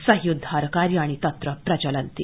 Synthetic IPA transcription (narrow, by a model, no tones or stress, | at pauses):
səɦjud̪ʱaɾkaɾjaɽ̃it̪ɐt̪ɾəpɾɐt͡ɕələnt̪ḭ